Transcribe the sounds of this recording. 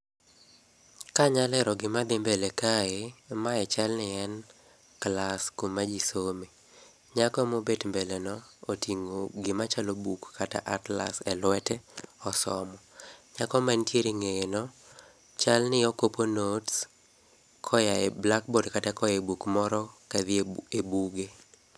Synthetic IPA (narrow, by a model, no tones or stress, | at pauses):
kaɲalɛɾɔɡɪmad̪ɪmbelekaɪmaɛt͡ʃalnɪɛn | klaskomːad͡ʒisome | ɲakɔmobedmbelenɔotiŋoɡɪmat͡ʃalobukːata̰ʔatla̰sɛlwɛtɛɔsɔ̰mɔɲakɔmantjeɾiŋeenɔ | t͡ʃalnɪɔkoponots | kʰɔjaeblakbodkatakɔjaebukmɔɾɔkaðɪeebuɡe